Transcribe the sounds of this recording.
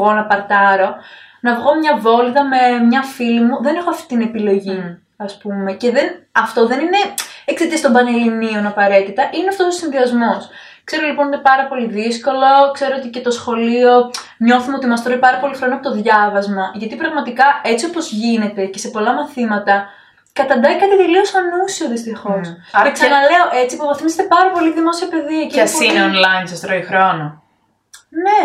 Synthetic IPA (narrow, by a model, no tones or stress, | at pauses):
ɣo̞nɐpɐɾt̪ɐɾo̞ | nɐvɣo̞mɲɐvo̞lðɐme̞mɲɐfilimuðe̞ne̞xoɐft̪i̥t̪ine̞pilo̞ʝi | ɐspume̞ce̞ðenɐft̪o̞ðe̞nineekset̪iɐst̪mbɐnelinio̞nɐpɐɾe̞t̪it̪ɐʔineɐft̪ososĩnðiɐzmos | kse̞ɾo̞lipo̞nine̞pɐɾɐpo̞liðisko̞lo̞kse̞ɾoot̪ice̞t̪o̞sxo̞lio̞ɲo̞θumeot̪imɐst̪ɾoipɐɾɐpo̞lixɾo̞noɐpot̪oðʝɐvɐzmɐʝɐt̪ipɾɐɣmɐt̪ikɐe̞t͡sio̞po̞zʝine̞t̪e̞ce̞se̞po̞lɐmɐθimɐt̪ɐ | kɐt̪ɐnd̪ɐikɐt̪iðeliosɐnusioðist̪ixo̞seksɐnɐle̞oʔet͡sipovɐθimiset̪epɐɾɐpo̞liðimo̞siɐpe̞ðiɐciɐssineonlɐjinsɐst̪ɾoixɾo̞no | ne